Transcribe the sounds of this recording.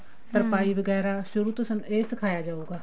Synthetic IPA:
səɾpaːiːʋəɡɛːɾaːʃʊɾuːt̪ʊsneːsɪkʰaːjaːd͡ʒaːuːɡaː

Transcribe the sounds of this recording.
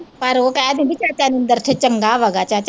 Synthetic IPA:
pɐɾokɛːd̪ẽbit͡ʃaːt͡ʃanɪ̃nd̪əɾt͡ʃʰet͡ʃəŋɡaːʋaɡat͡ʃat͡ʃ

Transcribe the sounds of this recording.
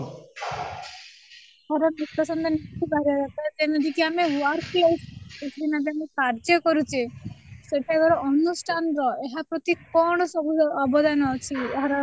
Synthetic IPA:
ɦaɾamut̪ːɔsɔnd̪ɔnik̪ʰibaɾaɾat̪ad͡ʒenɔd̪ʱikiamewaɾklesek̪ʰid̪inab̪eamekaɾd͡ʒɔkɔɾut͡ʃʰeseʈʰakɔɾɔʔɔnːusʈʰanɾɔeɦapɾɔt̪ikɔɳ̃ɔsɔbʱuɔbɔd̪anɔːt͡ʃʰiɦaɾa

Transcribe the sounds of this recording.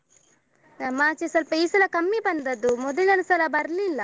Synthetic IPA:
nɐmaːt͡ʃesɐlpɐiːsɐlɐkɐmːibɐnd̪ɐd̪umɔd̪ɐlɐlɐsɐlɐbɐɾlilːɐ

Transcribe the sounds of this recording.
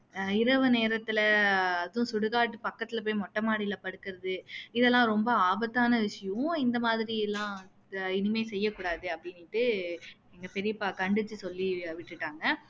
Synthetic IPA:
ɪɾɐʋɯneːɾɐt̪ːɪlɐɐðʊ̃sʊɽɯɣaːʈːɯpɐkːɐt̪ːɪlɐp̬oːjmɔʈːɐmaːɽɪjlɐpɐɽɯkːɯɾɐðɯɪðɛlːãːɾɔmbɐaːbɐt̪ːaːnɐʋɪʂɐjʊ̃ɪnd̪ɐmaːðɪɾiɛlːãː | ɪnɯmeːsɛjːɐkuːɽaːðɯɐpːɐɽɪnːɪʈːɯ | ɛŋɡɐpɛɾɪjpakɐɳɖɯt͡ʃːɯsɔlːiʋɪʈːɯʈːaːŋɡɐ

